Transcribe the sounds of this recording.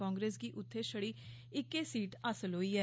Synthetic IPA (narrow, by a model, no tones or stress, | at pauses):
ɔ̃ːŋɡɾeːsɡiːʔʊt̪ʰːeːʃəɽiː | ɪkːeːsiːʈasəlɦoːiːɛː